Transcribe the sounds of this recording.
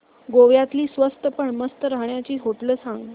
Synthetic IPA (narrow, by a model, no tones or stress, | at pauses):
ɡoʋjat̪liːsʋəst̪əpəɳməst̪əɾaɦɳjat͡ɕiːɦoʈləːsãŋɡ